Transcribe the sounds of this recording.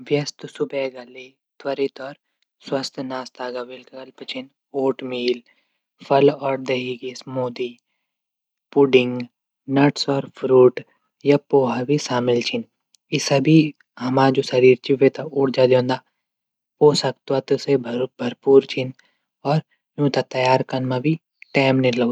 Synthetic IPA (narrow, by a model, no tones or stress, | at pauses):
ʋjɐst̪sʊbɛːɡɐle | t̪wɐɾit̪ɔːɾ | swɐst̪ʰnaːst̪aːɡaʋɪlkkɐlpt͡ʃʰin | oːʈmiːl | fʰɐlɔːɾd̪eɦiɡismoːd̪iː | puɖɪ̃ŋɡ | nɐʈsɔːɾfʰɾuːʈ | japoːɦabʱisaːmɪlt͡ʃʰɪn | ɪsɐbʱi | ɦɐmaːd͡ʒoːsɐɾiːɾt͡ʃiʋet̪aʊɽʰd͡ʒad̪jõːnd̪aː | oːsɐk̚t̪wat̪usebʱɐɾpuːɾt͡ʃʰin | ɔːɾ | jũːt̪at̪ɐjaːɾkɐnmãbʱi | ʈɛːmnelɐ